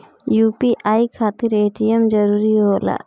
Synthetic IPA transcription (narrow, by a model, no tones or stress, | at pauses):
juːpiʔaːikʰaːt̪ɪɾeːʈijəmd͡ʒəɾuːɾiɦoːla̰ː